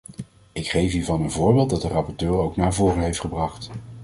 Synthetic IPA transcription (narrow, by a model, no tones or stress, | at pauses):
ɪkχejfiːɹvɑnənvʊːɹbeːlˠt̚dɑt̚dərɑpɔɹtøːɹowknaːɹvoːrənɦejftχəbrɑχt